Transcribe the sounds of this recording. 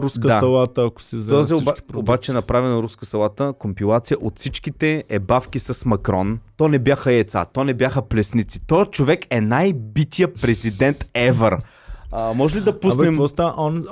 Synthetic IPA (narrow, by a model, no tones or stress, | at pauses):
ɾusdk̪saɐlˠat̪əɐko̥sɛzɔziobat͡ʃɛɛnɐpɾavɛnɐɾuskəsɐlˠat̪əkompilˠat̪sijəʔot̪sit͡ʃkit̪ɛɛbafkisɐsmɐkɾɔnt̪ɔnɛbjaxəɛt̪sa̰t̪ɔnɛbjaxəplɛsnit̪si̥t̪ɔjət͡ʃovɛkɛnajbit̪ʰijəpɾɛzid̪ɛnt̪ɛvəɾ | mɔʒɛlid̪ɐpunɛmvɔst̪aʔɔn